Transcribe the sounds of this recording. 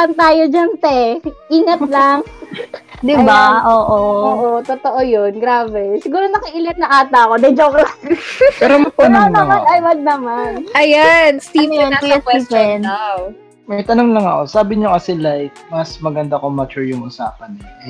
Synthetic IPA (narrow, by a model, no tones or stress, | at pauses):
ɐnt̪aːjod͡ʒɐnt̪ɛʔiːŋɐt̪̚lɐŋ | d̪ɪbaʔoːʔooːʔot̪ot̪o̞ʔojonɡɾaːbɛsɪɡuːɾonɐkɪʔɪlɪt̪̚nɐŋʔaːt̪ɐɐko̞d̪ɐd͡ʒoklapɛːɾoɐpnɐɐmɐnɐjbɐd̪̚nɐmanʔɐjanst̪ivjɐɐjʊswɛiːpɛnaw | mɐjt̪ɐnoŋlɐŋɐko̞saːbɪɲokɐsɛlajk̚mɐsmɐɡɐnd̪akomɐt͡ʃuɹjʊŋʔʊsa̰ːpɐn